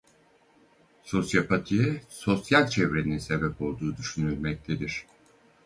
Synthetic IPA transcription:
so̞sjapʰat̪ʰijɛso̞sjalʲt͡ʃʰɛvɾe̞ninse̞bɛpo̞lˠd̪uːd̪yʃynylʲmɛc̚t̪ʰed̪iɾ̥

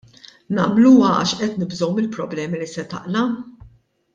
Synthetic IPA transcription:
nɐmluːɐɐ̰ʃʔɛt̪nɪbzɔwmɪlpɾɔblɛːmilisɛt̪ɐ̰ʔlɐ

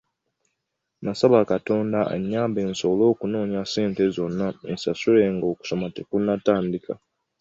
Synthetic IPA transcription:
masaβakato̞ːndaʔḛɲːaːmbe̞ːnso̞lo̞ːkuno̞ːɲaseːnte̞zo̞nːaensasule̞ŋɡo̞ːku̥so̞mate̞kunːataːndika̰

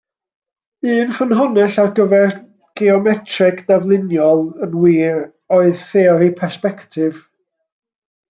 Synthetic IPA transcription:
ɨːnfənɦɔnɛɬarɡəvɛr | ɡ̥eɔmɛtʰrɪɡd̥avlˠɪnjɔlˠənwiːr | oɨðθɛɔɾipʰɛspɛktʰɪv̥

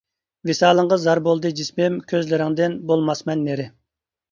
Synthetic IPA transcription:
vesɑːlˠəɴʁɑzɑɾbolˠd̪ɨd͡ʒismɪmkʲʰøzlɪɾɪŋd̪ɪnbolˠmɑsmɛnːeɾɪ

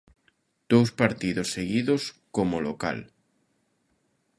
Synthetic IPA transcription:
d̪̥owspaɾt̪iðosːeɣiðoskomoloka̰l

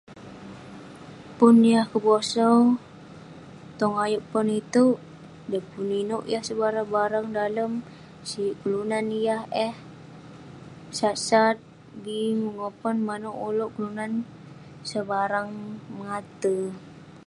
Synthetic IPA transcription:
pʊnjahkəbosɔ | t̪ɔŋajuʔpɔnit̪u | dəpuninoʔjahsəbaɾahbaɾaŋdaləm | sikəlunanjahɛh | sat̪sat̪̚ | bimuŋopɔnmanoʔuloʔkəlunan | səbaɾaŋmŋat̪ə

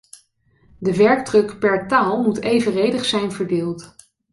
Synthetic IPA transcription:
dəʋɛɹk̚drɵkpɛɹtaːlˠmutejvərejdəχsɛjnvəɹdɪːlˠt

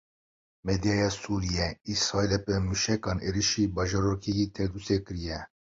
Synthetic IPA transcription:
mɛd̪ijɑːjɑːsuːɾijɛisɾɑːilɛpɨmuʃɛkɑːneːɾiʃiːbɑːʒɑɾokʰijit̪ʰɛd̪usekɨɾijɛ

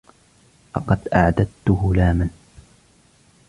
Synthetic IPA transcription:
lɑ̰qɑd̪ʔaʕd̪ad̪̚t̪ʊɦʊlaːman

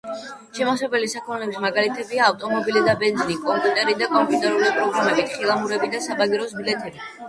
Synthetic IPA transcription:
ʃɛmasɛbɛlisakʰmɛlɛbismaɡalit̪ʰɛbiaːft̪ʼɔmɔbilid̪abɛnd̪zinikʼɔmpʼjut̪ʼɛɾid̪akʼɔmpʼjiut̪ʼɛɾulipʼɾɔɡɾamɛbit̪ʰχilˠamuɾɛbid̪asabaɡiɾɔsbilɛt̪ʰɛbi

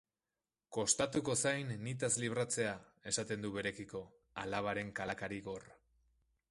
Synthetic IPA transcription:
ko̞st̪at̪uko̞sajnːit̪̬azliβ̞ɾat͡se̞a | e̞sat̪e̞nd̪uβe̞ɾe̞kiko̞ | alaβ̞aɾe̞ŋkalakaɾiɣo̞r

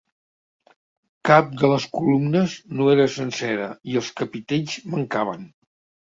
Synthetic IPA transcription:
kap̚d̪ələskulumnəznoeɾəsənsɛɾəiəlˠskəpit̪eʎzməŋkaβ̞ən

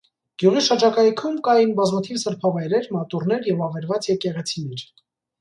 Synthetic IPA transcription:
ɡ̥juʁiʃəd͡ʒɑkɑjkʰumkɑjinbɑzmɑt̪ʰivsəɾpʰɑvɑjɾɛɾmɑt̪urnɛɾjɛvɑvɛɾvɑt͡sjɛkɛʁɛt͡sʰinɛɾ

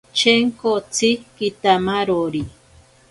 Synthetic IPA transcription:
t͡ʃeŋkot͡sikit̪amaɾoɾi

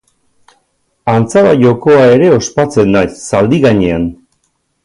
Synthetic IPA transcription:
ant͡saβaʎo̞ko̞ae̞ɾe̞o̞spat͡se̞nːajsːald̪iɣaɲean

